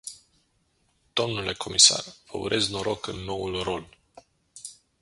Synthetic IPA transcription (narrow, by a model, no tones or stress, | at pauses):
d̪̥o̞mnule̞kʰo̞misa̰rvə̰ṵɾʔe̞znoɾʔo̞kɨnːo̞ulro̞l